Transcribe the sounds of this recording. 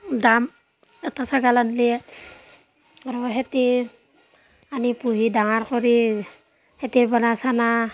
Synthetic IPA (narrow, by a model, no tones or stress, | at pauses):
dam | ɛtasaɡalanli | aɾɔɦeti | anipuɦidaŋaɾkɔɾi | hetibɔnasana